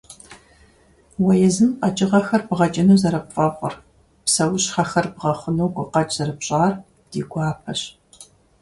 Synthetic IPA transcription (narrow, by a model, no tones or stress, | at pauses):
wɐjɛzɨmqɐt͡ʃʼɪʁɐxɐrbʁɐt͡ʃʼɐnuːzɐɾɐpfʼɐqʷʼʊ̰r | psɐwʊɕχɐxɐrbʁɐχʷənuwɡʷʊqɐt͡ʃʼz̥ɐrɨpɕʼaːr | d̥iːɡʷɑːpʰɐɕ